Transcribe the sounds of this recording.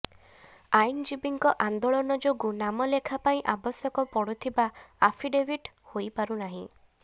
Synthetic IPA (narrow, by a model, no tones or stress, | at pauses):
aind͡ʒibiŋkɔʔand̪ɔɭɔnɔd͡ʒoɡunamɔlekʰapaĩʔabɔsjɔkɔpɔɽut̪ʰibaa̰pʰiɖebʱiʈ | hojpaɾunaɦḭ̃